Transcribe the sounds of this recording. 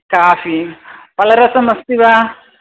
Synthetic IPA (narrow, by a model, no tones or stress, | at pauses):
kaːfipɐlɐɾɐsɐmɐst̪iʋa